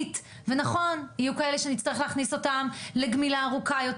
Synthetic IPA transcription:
t | ve̞naχo̞nijukaeleʃeanitt͡sst̪ɐʁeχleaχniso̞tamle̞ɡmilaːʁukajot

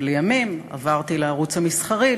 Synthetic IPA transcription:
lejamima̰vaʁt̪ileaʁut͡shamisχaʁi

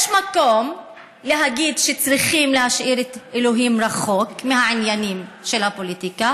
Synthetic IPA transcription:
jeʃmako̞m | leɦaɡid̪ʃet͡sʁiχimlehaʃʔiɾet̪elo̞ɦimɾaχo̞kmeɦaʕinjanimʃe̞lhapolit̪ika

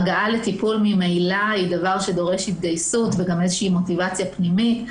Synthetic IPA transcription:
ɡaʔale̞tipulmimejlaidavaʁʃe̞do̞ʁe̞ʃhit̪̚ɡajsutveɡamezeʃiimo̞t̪ivat͡sjapnimit

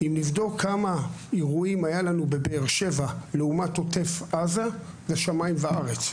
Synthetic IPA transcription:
imnivdo̞kʰamaiʁuimajalanube̞beːʁʃe̞valeumato̞te̞fʔaza | zeʃamaimveaʁe̞t͡s

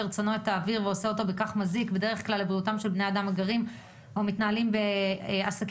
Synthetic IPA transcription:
eʁt͡sonoet̪aːviʁveoseo̞t̪o̞bekaχmazikbede̞ʁ̞eχklalːebʁiutamʃelbnead̪amaɡaʁim | omit̪naːlimbeasak

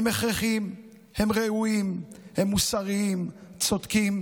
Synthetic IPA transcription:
emeχʁeχim | hemʁeuimhe̞mːusaʁiimt͡so̞d̪kim

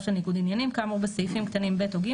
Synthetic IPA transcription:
ʃelniɡud̪injanimkamubeseifimkt̪animbet̪oɡi

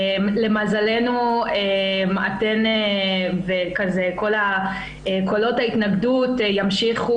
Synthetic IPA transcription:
mle̞mazale̞nuemate̞nevekazeko̞la | ekolo̞thaitnaɡdutjamʃiχu

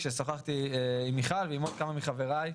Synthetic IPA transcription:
ʃesoχaχt̪iimiχalveimod̪̚kamamiχaveʁaj

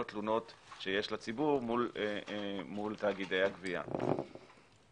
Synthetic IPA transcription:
ot̪luno̞tʃeje̞ʃlat͡sibuʁmul | mult̪aːɡid̪e̞jhaɡvia̰

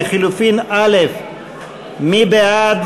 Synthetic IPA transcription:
χilufinalef | mibead̪

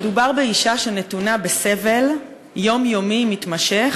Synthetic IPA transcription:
dubaʁbeiʃaʃene̞tunabeseve̞l | jo̞mjomimitmaʃe̞χ

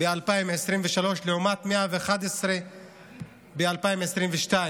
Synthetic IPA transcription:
bealpaimesʁimveʃalo̞ʃleumat̪meavexad̪esʁe | bealpaimesʁimveʃt̪ai

